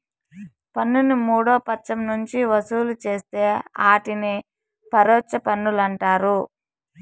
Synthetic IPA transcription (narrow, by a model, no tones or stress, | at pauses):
pɐnːunimuːɽoːpɐt͡ʃːɐmnuɲt͡ʃiʋɐsuːlut͡ʃe̞ːst̪eːaːʈini | pɐɾoːt͡ʃɐpɐnːulɐɳʈaːɾu